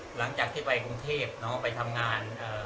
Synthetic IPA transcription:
la˩˦ŋt͡ɕaː˨˩k̚t̪ʰiː˥˩pa˧jkɾu˧ŋt̪ʰeː˥˩p̚nɔ˦˥pa˧jt̪ʰa˧mŋaː˧nʔɤː˨˩

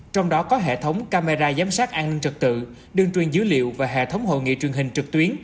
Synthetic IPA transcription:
t͡ɕɔ˧wŋ͡mɗɔ˨˦kɔ˨˦ɦḛ˧˨t̪ʰə˨˦wŋ͡mkaː˧me˧zaː˧zaː˨˦msaː˦˥t̚ʔaː˧nï˧ŋ̟t͡ɕɨ˨˩k̚t̪ɨ̰˧˨ | ɗɨ˧əŋt͡ɕwi˨˩ənzɨ˨˦lḭ˧˨əwvaː˨˩ɦḛ˧˨t̪ʰə˨˦wŋ͡mɦo̰˧˨jŋḭ˧˨t͡ɕwi˨˩əŋɦï˨˩ŋ̟t͡ɕɨ˨˩k̚t̪wi˨˦ən

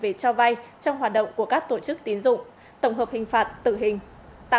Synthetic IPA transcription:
ve˨˩t͡ɕɔ˧va˧jt͡ɕɔ˧wŋ͡mɦaː˨˩t̚ɗə̰˧˨wŋ͡mku˧˩əkaː˦˥k̚t̪o˧˩t͡ɕɨ˦˥k̚t̪i˨˦nzʊ̰˧˨ŋ͡m | t̪ə˧˩wŋ͡mɦəː˨˩p̚hï˨˩ŋ̟faː˨˩t̚t̪ɨ̰˧˨ɦï˨˩ŋ̟ | t̪a̰˧

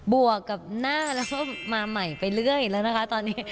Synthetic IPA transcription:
bu˨˩əkːa˨˩p̚naː˥˩lɛ˦˥wkɔ˥˩maː˧ma˨˩jpa˧jlɯ˥˩əjlɛː˦˥wna˦˥kʰa˦˥t̪ɔː˧nːiː˦˥

